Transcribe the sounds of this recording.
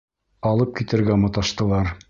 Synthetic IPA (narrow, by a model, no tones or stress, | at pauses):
ɑlˠɤp̚kit̪ɘ̆ɾɡæmɤ̆t̪ɑʃt̪ɤ̆lˠɑɾ